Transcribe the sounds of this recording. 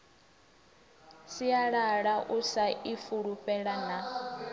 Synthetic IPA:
siaɺaɺaʔusaifuɺuɸɛɺana

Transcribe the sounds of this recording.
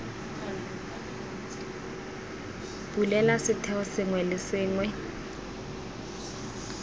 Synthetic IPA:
b̥ulɛlasɪtʰɛɔsɪŋwɛlɪsɪːŋwɛ

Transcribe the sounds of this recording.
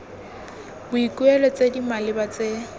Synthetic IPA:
bʊikʼuɛlɔt͡sʼedimalɪbat͡sʼe

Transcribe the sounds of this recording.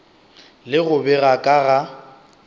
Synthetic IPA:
lɪɣʊbɛɣakʼaɣa

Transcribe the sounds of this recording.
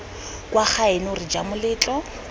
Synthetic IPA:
kʼwaχʰaɪnʊrɪd͡ʒamʊlɪːt͡ɬʼɔ

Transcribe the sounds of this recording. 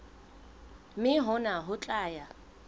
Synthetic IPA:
mɪɦʊnaɦʊt͡ɬʼaːja

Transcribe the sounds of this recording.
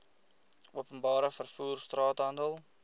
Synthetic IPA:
ʔuəpənbɑːɾəfərfuːrstrɑːtɦɐndəlˠ

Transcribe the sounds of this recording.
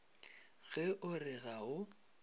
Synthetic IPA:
ɣɛʔʊrɪɣaʊ

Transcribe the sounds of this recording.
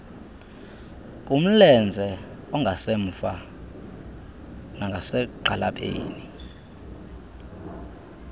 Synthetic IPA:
kʼum̩lɛnd͡zʱɛ | ɔŋɡʱaseɱ̩fa | naŋɡʱasɛǃalapʼḛːni

